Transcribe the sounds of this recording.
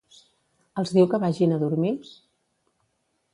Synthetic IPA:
əlˠzðiwkəβaʒinəðuɾmils

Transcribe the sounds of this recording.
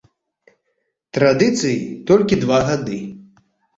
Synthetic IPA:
t̪ɾad̪ɨt̪sɨjit̪ɔlʲkʲid̪vaɣad̪ɨ

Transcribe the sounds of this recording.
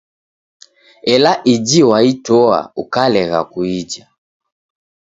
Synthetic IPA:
ɛlaʔid͡ʒiwaitɔa̰ukalɛɣa̰kuid͡ʒa

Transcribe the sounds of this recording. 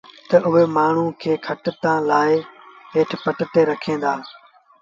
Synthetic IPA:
t̪ɐʔʊɦeːmaːɳ̤ũːkʰeːkʰəʈt̪ãːlaːɪɦeːʈʰpəʈt̪eːɾɐkʰẽːnd̪aː

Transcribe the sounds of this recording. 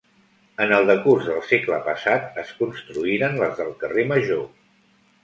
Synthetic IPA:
ənəlˠd̪əkurzðəlˠsekləpəsat̪̚əskunst̪ɾuiɾənləzðəlˠkəreməʒo

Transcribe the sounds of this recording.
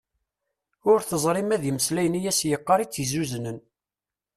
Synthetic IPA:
ʊɾθəzˤɾˤɪmæðjəməslæjnijæsjəqːɑɾˤit͡sːizuznən

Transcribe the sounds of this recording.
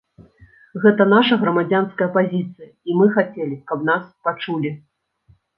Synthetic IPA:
ɣɛt̪ɐnaʂɐɣɾɐmad͡zʲanskɐjɐpazʲit̪sɨjɐimɨxat͡sʲɛlʲikɐbn̪aspat͡ʂulʲi

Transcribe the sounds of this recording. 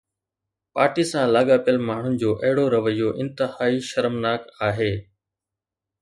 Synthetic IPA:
paːɾʈiːsãlaːɠaːpjəlmaːɳ̤ʊnɪ̆d͡ʑoːʔɐɦɪɽoɾɐʋəjoːʔɪ̃nt̪ɪhaːiʃɐɾmnaːkaːɦeː

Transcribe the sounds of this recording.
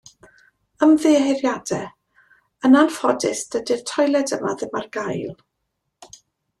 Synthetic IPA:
əmvðeːɦɪrjad̥ɛ | ənanfɔdɪsd̥ədɪr̥tʰɔjlˠɛdəmaðɪmarɡajlˠ

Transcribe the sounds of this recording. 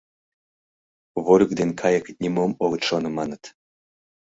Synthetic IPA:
βoɾʲək̚d̪enkʰɑjəknʲimomoɣət̪ʃonɤ̆mɑnət̪

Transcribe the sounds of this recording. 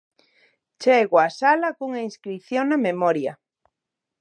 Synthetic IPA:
t͡ʃeɣwasalakuŋainskɾiθjoŋnamemɔɾja

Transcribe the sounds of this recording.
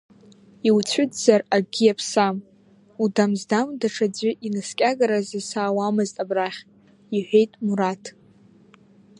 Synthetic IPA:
iwt͡ɕʷʰʏdzaraɡʲiapʰsam | udamzdamdaʈ͡ʂʰad͡zʷʏʔinɨskʲʼaɡaɾazisaːwamɨztʼabraχʲʼ | iħʷᶣejtʼmuɾatʰ

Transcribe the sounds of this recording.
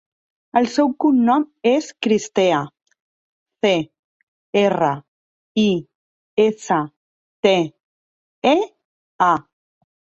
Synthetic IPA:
əlsɛwkunnɔmeskɾist̪ea | θe | erə | i | esa | t̪e | e | a

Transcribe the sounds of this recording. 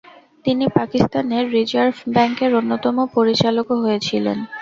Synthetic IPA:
t̪inipakist̪aneɾːid͡ʑaɾfbɛŋkeɾonːot̪ɔmopoɾit͡ɕalokoɦojet͡ɕʰilḛn

